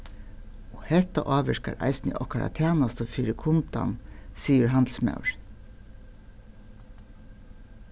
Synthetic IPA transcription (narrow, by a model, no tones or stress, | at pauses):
oːhɛt̪ɑʔɑːʋəʃkɑ̰ɾʔæ̰ɪsnɪ̰ʔɔkʰɑɾɑ̰t̪ʰeːnɑst̪oːfiːɾəkʰʊnt̪ɑ̰nsiːəɹɦɑnd̪l̩smɑ̰ʉɹ